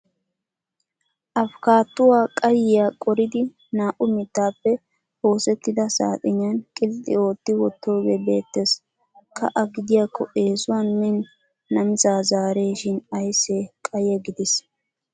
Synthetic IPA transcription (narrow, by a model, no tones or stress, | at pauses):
ʔɐfkaːt̪ːʊwaːkʼɐjɪjaːkʼɔɾɪd̪ɪ | naːʔʊmɪt̪ːaːpːɛ | ho̞ːsɛt̪ːɪd̪ɐsa̰ːt̪ʼɪɲːɐnkʼɪlt̪ʼːɪ̰o̞ːt̪ːɪwɔt̪ːo̞ːɡebe̞ːt̪ːes | kʰɐ̰ʔɐɡɪd̪ɪjaːkːɔ̰ʔe̞ːsʊwanmɛnː | ɐmɪzaːzaːɾeːʃɪnɐjseːkʼɐjɛɡɪd̪ɪs